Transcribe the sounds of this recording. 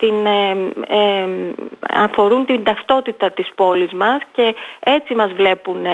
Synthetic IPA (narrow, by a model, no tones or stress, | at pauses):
t̪in | ɐfo̞ɾunt̪ind̪ɐft̪o̞t̪it̪ɐt̪ispo̞lizmɐsce̞e̞t͡simɐzvle̞pun